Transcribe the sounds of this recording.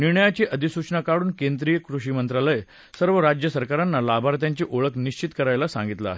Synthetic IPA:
niɾɳəjat͡ɕiːʔəd̪ʱisut͡ɕnakaɽuːnkend̪ɾijəkɾuɕiːmənt̪ɾaləj | səɾʋəɾad͡ʑjəsəɾkaɾanːalabʱaɾt̪̬jaɲt͡ɕiːʔoɭəkniɕt͡ɕit̪kəɾajlasã̰ŋɡit̪la̰ːɦe

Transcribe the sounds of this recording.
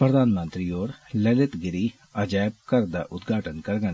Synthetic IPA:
pɾəd̪aːnmə̃nt̪ɾiːoːɾləlɪt̪ɡɪɾiː | əd͡ʒaːb̚kəɾd̪a̰ːʔʊt̪ɡʱaːʈənkəɾɡən

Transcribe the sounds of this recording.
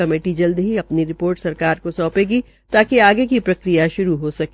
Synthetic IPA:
ɐmeːʈid͡ʒɐld̪ɦiɐpniɾɪpoːɾʈsɐɾkaːɾkosɔːpeːɡi | t̪aːkeaːɡekipɾɐkɾijaʃʊɾuɦosɐke

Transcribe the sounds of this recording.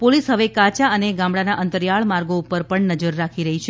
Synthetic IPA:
polisɦəʋekat͡ʃaəneɡãmɽanaʔənt̪əɾjaɭmaɾɡoupəɾpəɳnəd͡ʒəɾːakʰiɾəɦit͡ʃʰe

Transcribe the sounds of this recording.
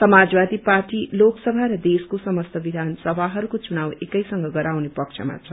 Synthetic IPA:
sʌmad͡zbad̪iparʈiloksʌbʱaɾʌd̪eskosʌmʌst̪ʰʌbid̪ʱansʌbʱaɦʌɾukot͡sunawekʌjsʌŋɡʌɡʌɾawnepʌkt͡ʃʰʌ̰ma̰t͡sʰʌ

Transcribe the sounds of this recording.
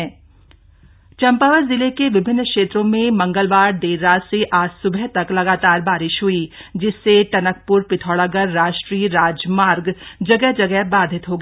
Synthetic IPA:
t͡ʃɐ̃mpaːʋəɾzɪlekeʋɪbʱɪnːkʃeːt̪ɾõmẽmɐ̃ŋɡəlʋaːɾɖeːɾːaːseʔaːsʊbʱɛɦt̪ɐklɐɡaːt̪aːɾbaːɾɪʃɦʊid͡ʒɪsːeʈɐnək̚pʊɾpɪt̪ʰɔːɭaɡəɾːaːʃʈɾiːɾaːd͡ʒmaːɾɡd͡ʒɐɡɛɦd͡ʒɐɡɛɦbaːd̪ʱɪt̪ɦoɡ

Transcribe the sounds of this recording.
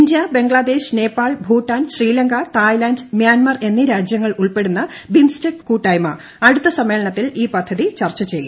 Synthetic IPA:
ind̪jɐbe̞ŋɡɭɐd̪e̞ːɕne̞ːpːaːɭbʱuːʈːaːnɕriːlɐŋɡɐt̪aːjlaːndmjaːnmɐre̞nːiɾaːd͡ʑjɐŋːɐɭuɭpe̞ɽunːɐ | bimstekkuːʈːɐjmɐ | ɐɽut̪ːɐsɐmːeːɭɐɳɐt̪ːiliːpɐd̪ʱɐðit͡ɕɐrt͡ɕːɐt͡ɕeju

